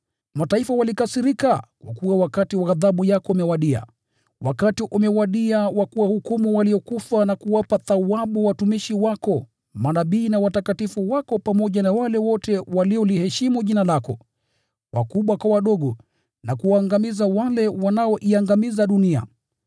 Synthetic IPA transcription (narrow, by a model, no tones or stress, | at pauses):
mataifawalikasiɾikakwa̰kuwawakatiwaaðaɓujakɔumɛwaɗia̰ | wakatiʔumɛwaɗiawakuwahukumuwaliɔkufanakuwapaθawaɓuwatumiʃiwakɔ | manaɓiːnawatakatifuwakɔpamɔʄanawalɛwɔtɛwaliɔlihɛʃimuʄinalakɔ | wʔa̰kuɓwakwawaɗɔɠɔ | nakuwaːŋɡamizawalɛwanaɔʔiaŋɡamizaɗunia̰